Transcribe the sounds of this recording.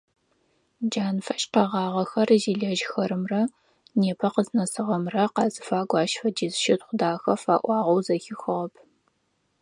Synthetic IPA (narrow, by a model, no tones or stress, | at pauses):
d͡ʒaːnfɐʃqɑʁɑːʁɐxɐrziːɮɐʒxɐɾɨmrɐ | neːpʰɐqəznɐsɨʁɐmrɐqɑːzɨfaːɡʷɑːʃfɐd͡ʒizʃɪtχʷʊdaːxɐfaːʔʷɑːʁɐwzɐxɪxɨʁɐpʰ